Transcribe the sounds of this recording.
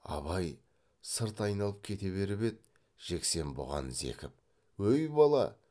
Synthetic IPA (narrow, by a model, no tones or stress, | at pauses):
ɑ̰βɑj | səɾt̪ɑjnɑlˠəp̚kʲʰe̞t̪e̞βe̞ɾɪbe̞t̪̚ | ʒ̥e̞kse̞nbʊ̰ʁɑ̰nze̞̰kʲɪp̚ | wɵjbɑlˠɑ̰